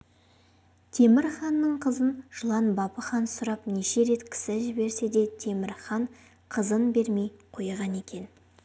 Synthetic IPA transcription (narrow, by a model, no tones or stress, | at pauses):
t̪ʰe̞mɪɾχɑnːəɴqʰəzənʒ̥ʊlˠɑnbɑpəχɑnsʊɾɑpneʃe̞ɾe̞t̪kʲʰɪ̥sɪʒɪbe̞ɾse̞d̪e̞t̪ʰe̞mɪɾχɑɴ | qʰəzənbe̞ɾme̞jqʰojʁɑne̞kʲe̞n